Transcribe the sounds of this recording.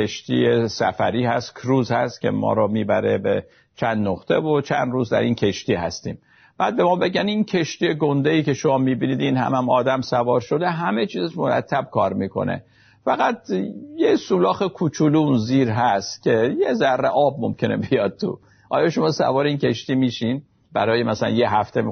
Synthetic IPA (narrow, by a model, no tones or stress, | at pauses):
eʃt̪ḭjesæ̰fæ̰ɾiːhæst̪kʰɾuːzhæst̪cʰʲe̞̰mɒ̰ːɾɒmiːbæɾebe | t͡ʃʰænd̪noχt̪ʰevot͡ʃʰænd̪ɾuːzd̪æ̰ɾinkʰe̞ʃt̪iːhæst̪iːm | b̥æːd̪̚be̞mɒːbe̞ɟænincʰe̞ʃt̪ije̞ɡond̪eiːcʲe̞ʃomɒːmiːbiniːd̪inhæ̰mæmɒːd̪æmsævɒːɾʃo̞d̪eɦæme̞t͡ʃʰiːzʃmoɾæ̰t̪ʰːæb̚kʰɒːɾmiːkʰo̞̰nḛ | fæɣæt̪̚jesuːlɒːxekʰut͡ʃʰulunziːɾɦæst̪cʲʰe̞jezærːeʔɒːb̚momkʲʰe̞nebijɒd̪̥̚t̪ʰṵ | ʔɒːjɒʃomɒːsæ̰vɒːɾeincʰʲe̞ʃt̪iːmiːʃin | b̥æɾɒːjemæsælæ̰njeɦæft̪ʰem